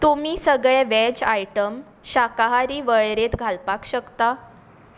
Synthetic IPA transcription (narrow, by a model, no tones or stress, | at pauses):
t̪omiːsəɡɭɛ̃ʋɛd͡ʑajʈəm | ɕakaɦaɾiːʋəɭɾet̪ɡʱalpakɕəkt̪a